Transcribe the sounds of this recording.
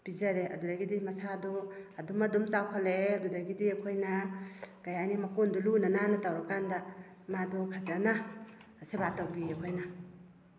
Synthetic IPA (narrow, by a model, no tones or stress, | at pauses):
b̥izaɾeʔɐ̰dudaɡidimɐsadɔɐdumɐdumt͡ʃawkʰaleɐdudaɡidiɐkʰojnɐɡ̥ajanimɐkondulunananɐtawɾakandɐ | madɔkʰazanɐsebatawbiɐkʰojnɐ